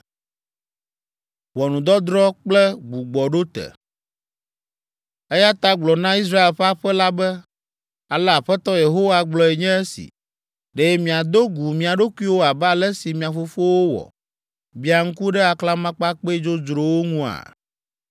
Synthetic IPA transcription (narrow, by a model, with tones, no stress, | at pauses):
wɔ˨nũ˨d̪ɔ˦d̪ɾɔ˦k͡plɛ˦ɡ͡bu˨ɡ͡bɔ˨ɖo˦t̪ɛ̰˨ | ɛ˦ja˦t̪a˦ɡ͡blɔ˨nã˦i˦s̬ɾa˦e˨lɸa˦ɸɛ˦la˦bɛ˦ | a˨lɛ˦a˨ɸɛ˦t̪ɔ˦je˨ɦo˦wa˦ɡ͡blɔ˦ɛ˨ɲɛ̃˦ɛ˦sḭ˨ | ɖɛ˨˦jɛ˦mĩ˨a˨d̪o˦ɡu˨mĩ˨a˨ɖo˦ku˦i˦wo˦a˨ba˦˨lɛ˦si˨mĩ˨ã˨fo˦fo˦wo˦wɔ̰˨ | bi˨˦a˨ŋ̩˦ku˦ɖɛ˦a˨kla˦mã˦k͡pa˦k͡pe˦d͡ʒo˦d͡ʒɾo˨wo˦ŋũ˦a̰˨